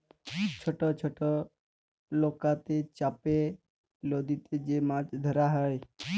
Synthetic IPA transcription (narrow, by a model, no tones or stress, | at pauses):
t͡ʃʰɔʈɔt͡ʃʰoʈɔ | lokat̪et͡ʃape | lod̪it̪ed͡ʒemãt͡ʃd̪ʱəɾaɦəj